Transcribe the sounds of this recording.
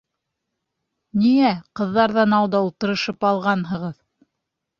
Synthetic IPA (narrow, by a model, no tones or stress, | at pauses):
niæqɤ̆ðːɑɾðɑnɑwd̪ɑulˠt̪ɤ̆ɾɤ̆ʃɤpɑlˠʁɑnɦɤ̆ʁɤð